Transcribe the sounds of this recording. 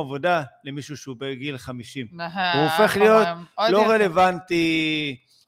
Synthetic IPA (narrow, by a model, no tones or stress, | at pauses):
avo̞d̪alemiʃuʃeubeɡilχamiʃimvuofe̞χlijo̞t̪lo̞ʁele̞vant̪i